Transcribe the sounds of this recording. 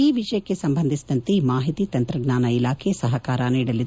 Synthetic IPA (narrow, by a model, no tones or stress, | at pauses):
iːʋiʂɐjɐkːe̞sɐmbʱɐnd̪ʱisid̪ɐnt̪emaːɦit̪it̪ɐnt̪ɾɐɡnaːnɐilaːkʰesɐɦɐkaːɾɐniːɽɐlːi